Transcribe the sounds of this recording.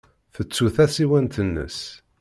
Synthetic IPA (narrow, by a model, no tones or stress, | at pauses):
θət͡sːuθæsiwænt̪ənːə̰s